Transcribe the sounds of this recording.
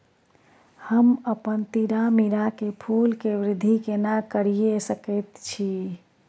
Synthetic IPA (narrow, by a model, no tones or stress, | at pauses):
həməpənt̪iɾamiɾakepʰulkeʋɾɪd̪ʱːikenakəɾijesəkəɪt̪t͡ʃʰi